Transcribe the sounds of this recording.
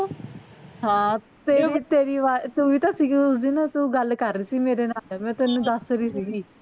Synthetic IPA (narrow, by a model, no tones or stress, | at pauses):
ɦãː | t̪eːɾit̪eːɾiːʋaːt̪ʊʋiːt̪aːsiːɡiːʊsd̪inat̪uːɡəlkəɾːiːsiːmeːɾeːnaːlmɛ̃ːt̪ʊɛːnũːd̪əsɾiːsiːɡiː